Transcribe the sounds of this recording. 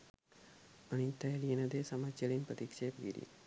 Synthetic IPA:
ɐnint̪ːɐjɐlijɐnɐd̪eːsɐmɐt͡ɕjɐlinpɾɐt̪ikʂejpɡḭɾḭ

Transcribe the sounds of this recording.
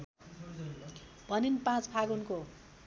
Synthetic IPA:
b̥ʱʌninpãt͡spʰaɡunko

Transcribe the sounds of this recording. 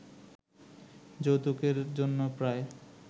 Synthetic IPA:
d͡ʑot̪ukeɾd͡ʑonːopɾae

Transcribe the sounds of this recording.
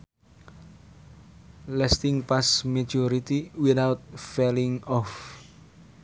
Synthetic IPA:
lɛst̪ɪŋpasmad͡ʒoɾit̪iwiθawt̪̚felɪŋɔf

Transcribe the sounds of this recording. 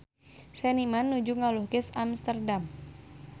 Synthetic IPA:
sɛnimanːud͡ʒuŋaluhkɪsamst̪ərdam

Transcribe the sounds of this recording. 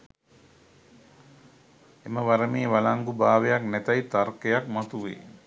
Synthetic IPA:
eməʋaɾəmeːʋalaŋɡubaːʋejaknæt̪ɐjt̪arkejakmat̪uʋḛː

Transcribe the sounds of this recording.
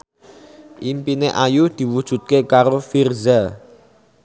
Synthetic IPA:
ʔimpineʔajud̪̥i̤wud̥ʒ̥ṳt̪̚kekaɾofirza

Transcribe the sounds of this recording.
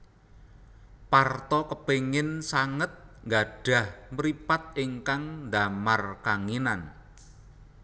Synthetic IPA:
part̪ɔkəpeŋɪnsaŋət̪̚ŋɡaɖ̥ä̤hmɾipat̪̚iŋkaŋnd̪amarkaŋinan

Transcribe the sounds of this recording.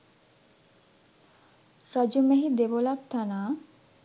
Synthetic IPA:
ɾad͡ʑumɛɦid̪eʋolak̚t̪ʰanaː

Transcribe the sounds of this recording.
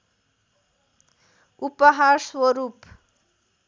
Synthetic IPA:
upəɦaɾswɔɾup

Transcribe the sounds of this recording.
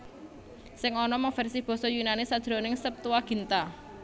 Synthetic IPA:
sɪŋɔnɔmɔŋfɛrsib̥ɔ̤sɔjunanɪsad̥ʒ̥ɾonɪŋsəp̚t̪uwaɡ̥i̤nt̪a

